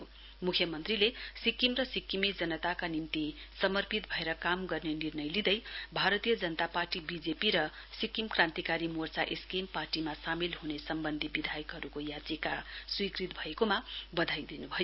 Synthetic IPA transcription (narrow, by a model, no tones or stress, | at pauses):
jo | mukʰjʌmʌnt̪rilesikːimrʌsikːimid͡zʌnʌt̪akanint̪isʌmʌrpit̪̚bʱʌeɾʌkamɡʌrnenirnʌjlid̪ʌjbʱaɾʌt̪ijʌd͡zʌnʌt̪aparʈibid͡zepiɾʌ | sikimkrãnt̪ikaɾimort͡sa̰ʔeskimparʈimasamilɦunesʌmbʌnd̪ʱibid̪ʱajʌkɦʌɾukojat͡sikaswikrit̪̚bʱʌekomabʌd̪ʱajd̪inubʱʌjo